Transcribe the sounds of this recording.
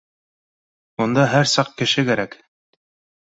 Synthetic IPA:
und̪ɑɦæɾsɑq̚kɘ̆ʃɘkæɾæk

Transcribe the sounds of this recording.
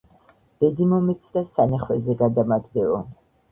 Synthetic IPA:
b̥ɛd̪imɔmɛt̪sʰd̪asanaχwɛzɛɡad̪amad̪ɡɛɔ̰

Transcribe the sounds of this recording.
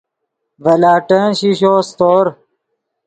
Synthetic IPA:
ʋɐlaːʈə̃ɕiɕoːst̪oːɾ

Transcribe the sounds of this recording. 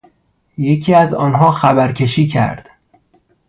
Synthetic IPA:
je̞cʰiːæzɒːnɦɒːxæbæɾcʰe̞ʃiːcʰæ̰ɾd̪̥

